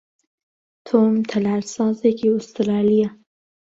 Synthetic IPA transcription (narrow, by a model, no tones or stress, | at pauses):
t̪ʰomt̪ʰɐlaɾsɑːzekiʊst̪ɾɑːlija